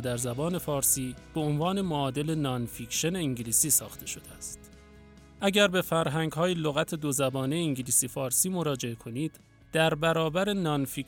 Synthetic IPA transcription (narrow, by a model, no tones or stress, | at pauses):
d̪æɾzæbɒːne̞fɒːɾsiːb̥eonvɒːne̞moɒːd̪e̞lenɒnficʃe̞ne̞iŋɟiliːsiːsɒ̰ːxt̪ʰe̞ʃo̞d̪eæst̪ | ʔæɟæɾbe̞fæɾɦæŋɡhɒːjeloɣæt̪ʰe̞d̪ozæbɒːneːŋɟiliːsiːfɒːɾsiːmo̞ɾɒːd͡ʒe̞ekʰo̞niːd̪̥ | d̪̥æɾbæɾɒːbæɾe̞nɒnfi